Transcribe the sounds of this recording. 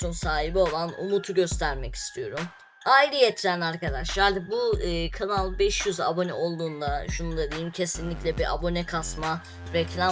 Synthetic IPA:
unsaːɦibio̞lˠanṵmut̪ʰuɟø̞st̪ʰæɾmɛci̥st̪ʰijo̞ɾum | aiɾɯjet̪ʰiɾænaɾkad̪aʃlˠaɾbuɯːkʰanalˠbɛʃjyza̰bo̞nɛ̰o̞lˠd̪uːnd̪aʃunund̪ad̪ejimcʰe̞sinlʲicʲlʲɛbiʔa̰bo̞nɛkʰasma | ɾɛclʲa

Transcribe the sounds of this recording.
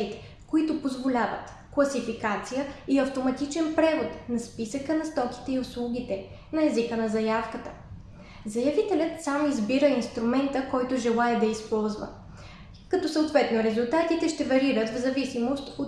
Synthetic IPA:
it̪ɛ̥ | koit̪ʊpozvolʲavə̰t̪ | klˠɐsifikat̪sijəiɐft̪omɐt̪it͡ʃɛnpɾɛvot̪nɐspisəkənɐst̪ɔki̥t̪ɛiʊslˠuɡ̟it̪ɛ | nɐɛzikənɐzɐjafkət̪ə | zɐjɐvit̪ɛlʲət̪samizbiɾəinst̪ɾumɛnt̪əkɔjt̪ʊʒɛlˠaɛd̪ɐispɔlˠzvə̰ | kɐt̪ɔsəot̪vɛt̪noɾɛzulˠt̪at̪it̪ɛʃt̪ɛvɐɾiɾət̪vzɐvisimost̪o

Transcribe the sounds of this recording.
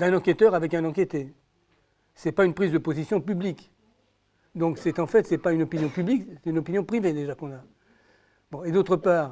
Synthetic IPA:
ɛ̃nɑ̃ket̪œʁavɛkɛ̃nɑ̃kʲet̪e | sɛpaynpχizd̪əpozisjɔ̃pyblik | d̪ɔ̃ksɛt̪ɑ̃fɛt̪sɛpaynɔpinjɔ̃pybliksɛt̪ynɔpinjɔ̃pχived̪eʒakɔ̃na | bɔ̃ed̪ot̪χəpaːʁ

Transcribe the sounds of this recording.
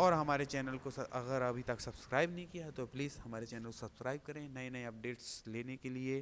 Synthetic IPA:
ɔːɾɦɐmaːɾet͡ʃɛːnəlkoɐʔɐɣəɾɐbʱit̪ɐksɐbskɾaːɪbnɐɦĩkijat̪opliːzhɐmaːɾet͡ʃɛːnəlkosɐbskɾaːɪb̚kɐɾẽnɐɦĩnɐɦĩɐp̚ɖeːʈsleːnekelie

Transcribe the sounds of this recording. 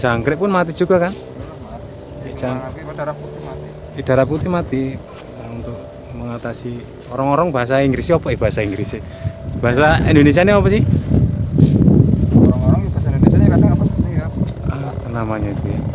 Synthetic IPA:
d͡ʒ̥aŋkɾɪʔpʊnmat̪i̥d͡ʒ̥uɡa̤kan | ed͡ʒaŋdaɾaut̪i | id̥a̤ɾaput̪ihmat̪i | unt̪ʊk̚ | məŋat̪asi | oɾaŋoɾaŋbaɦasaiŋɡɾiseɔpɔihb̥a̤ɦasaiŋɡɾise | b̥aɦasaind̪ones̬ianeɔpɔsɪh | oɾaŋoɾaŋb̥asand̪onesiaɲakadaŋapasasnia | a | k̪ənamaɲait̪uja

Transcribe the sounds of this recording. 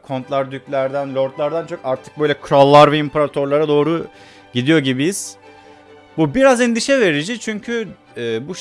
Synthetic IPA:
kʰo̞nt̪lˠaɾd̪yclʲæɾd̪ænlʲo̞ɾt̪lˠaɾd̪ant͡ʃʰo̞kaɾt̪ʰɯ̥k̚bøjlʲɛkʰɾalˠːaɾvɛimpʰaɾat̪ʰo̞ɾlˠaɾad̪o̞ːɾu | ɟid̪ijo̞ɟibijiz̥ | bubiɾazɛnd̪iʃɛve̞ɾid͡ʒit͡ʃʰyɲcʰy | ɛːbuʃ

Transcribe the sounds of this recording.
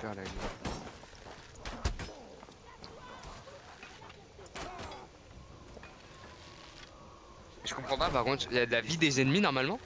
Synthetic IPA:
fɛʁlavi | ʒəkɔ̃pχɑ̃papaʁkɔ̃t̪jad̪əlavid̪ezɛnminɔʁmalmɑ̃

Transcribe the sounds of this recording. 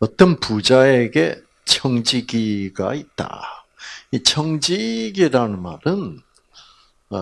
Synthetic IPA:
ʌt͈ʌnpud͡ʑae̞ɡe̞ | t͡ɕʰʌŋd͡ʑiɡiɡa̰it̚t͈a̰ | it͡ɕʰʌŋd͡ʑiɡiɾanɯnmaɾɯn

